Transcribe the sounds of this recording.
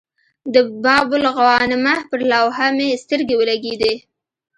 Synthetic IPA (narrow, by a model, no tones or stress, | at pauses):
d̪əbɑbʊlɣawɑnɪmahpəɾlawɦamest̪əɾɡewəlaɡed̪e